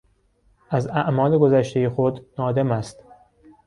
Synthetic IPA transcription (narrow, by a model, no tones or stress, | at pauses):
ʔæzæʔmɒːle̞ɡo̞zæʃt̪e̞jexod̪nɒːd̪e̞mæst̪